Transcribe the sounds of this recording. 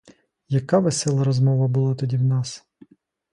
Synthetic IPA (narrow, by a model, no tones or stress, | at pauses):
jɐkɑʋesɛlˠɐɾɔzmɔʋɐbʊlˠɑt̪ɔdʲiwnɑs